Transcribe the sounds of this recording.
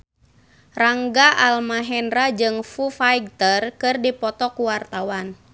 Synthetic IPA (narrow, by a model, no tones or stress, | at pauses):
raŋɡaʔalmaɦɛnɾad͡ʒɨŋfufajɡ̚t̪ərkɨrdipɔt̪ɔkuwart̪awan